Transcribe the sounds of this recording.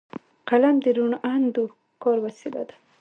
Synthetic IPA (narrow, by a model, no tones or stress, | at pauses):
qalamd̪əɾuɳʔand̪u | kɔɾwasila̰d̪ḁ